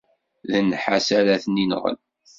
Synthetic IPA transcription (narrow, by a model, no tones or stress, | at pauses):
ðənːħasælæθninʁə̰l